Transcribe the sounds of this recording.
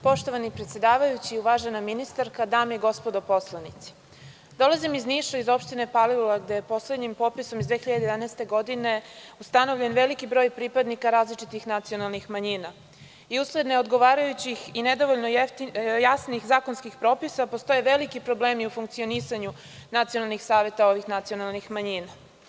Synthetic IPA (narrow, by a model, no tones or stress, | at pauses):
po̞ʃt̪o̞ʋanipɾet̪sje̞d̪aːʋajut͡ɕiːuʋaːʒenaminist̪aɾkad̪aːmjeɡo̞spo̞d̪opo̞slˠanit̪si̥ | d̪o̞lˠazimizniʃaizo̞pʃt̪ine̞palilulaɡd̪ejepo̞sle̞d̪ɲimpo̞piso̞mizd̪ʋeːxiʎad̪ejd̪anɛːst̪e̞ɡo̞d̪ine̞ust̪ano̞ʋʎʲe̞nʋe̞likibɾo̞ːjpɾipad̪nikaɾaːzlit͡ʂit̪ixnat̪sio̞nalˠnixmaɲina | iusled̪neod̪ɡo̞ʋaːɾajut͡ɕixined̪o̞ʋoʎnot̪jasnixzaːkonskixpɾo̞ːpisapost̪o̞je̞ʋelikipɾobleːmiufuŋk̚t̪sio̞nisaɲu | nat̪sijo̞nalˠnixsaːʋjet̪ao̞ʋixnat̪sijonalˠnixmaɲiːna